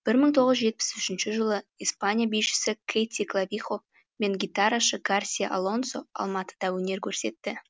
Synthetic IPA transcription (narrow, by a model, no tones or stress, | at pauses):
b̥ɪɾməɴt̪ʰo̞ʁəzʒe̞t̪̚pɪ̥sʏʃɪnʃɪʒəlˠəispanʲijabijʃɪ̥sɪkʲʰejt̪ʲiklˠavʲiχo̞ | me̞ŋɡʲit̪aɾaʃəɡarsʲijaʔa̰lˠo̞nso̞ɑ̰lˠmɑt̪ə̥d̪̥ɑwɵne̞ɾkʲʰɵɾse̞̰t̪ːɪ